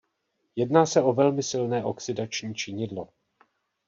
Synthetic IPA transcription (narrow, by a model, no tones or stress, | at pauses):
jɛdnaːsɛo̞vɛlmɪsɪlnɛːʔo̞ksɪdat͡ʃɲiːt͡ʃɪɲɪdlo̞